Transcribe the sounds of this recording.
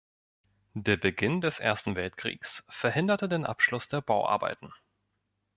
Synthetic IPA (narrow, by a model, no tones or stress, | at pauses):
d̥eːɐbəɡɪndɛsʔḛɐstn̩vɛltkʁ̥ḭːksfɛɐhɪndɐtədeːnʔa̰pʃlʊsd̥eːɐbaʊʔa̰ɐba̰ɪtn̩